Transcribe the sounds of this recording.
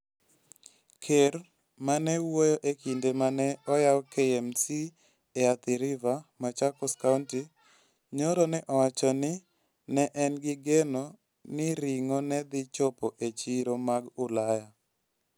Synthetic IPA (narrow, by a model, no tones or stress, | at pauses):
kʰeɾ | manɛwojoʔekindemanɛɔjawkeɛmsi | eat̪iɾɪvamat͡ʃakɔskaunti | ɲoɾɔnɛʔɔwat͡ʃɔnɪ | nɛʔɛnɡɪɡeno | nɪɾiŋonɛd̪ɪt͡ʃɔpoʔet͡ʃiɾomaɡʊlaja